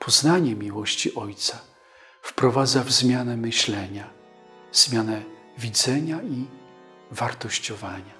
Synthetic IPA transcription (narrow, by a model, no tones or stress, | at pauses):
pʰɔznaɲɛmʲiwɔɕt͡ɕiʔɔjt̪sa | fpɾɔvad̪zavzmʲjanɛmɘɕlɛɲa | vz̥mʲjanɛ | vʲid̪zɛɲai | vaɾt̪ɔɕt͡ɕɔvaɲa